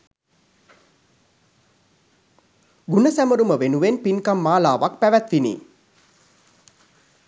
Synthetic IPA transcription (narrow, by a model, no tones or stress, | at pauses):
ɡunəsæməɾuməʋenuʋenpinkamːaːlaːʋakpæʋæt̪ʋinḭː